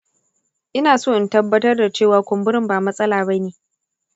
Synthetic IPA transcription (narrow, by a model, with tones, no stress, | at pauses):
ʔɪ˦naː˨soː˦ʔɪ˨˦ntɐ˦bːɐ˦tɐ˦rda˨t͡ʃeː˦˨waː˨kʷʊ˨mbʊ˦ɾɪ˦mbaː˨mɐ˦sʼɐ˦laː˨bɐ˦neː˨